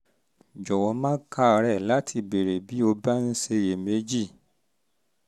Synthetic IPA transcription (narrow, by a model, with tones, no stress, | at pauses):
d͡ʒɔ˨wɔ˨˧mãː˦ka˦˨˧ɾɛ˦˨la˨˦tʰi˧be˨ɾe˨bi˨˦o˧ba˦n̩˦ʃe˧je˨me˨˦d͡ʒi˦˨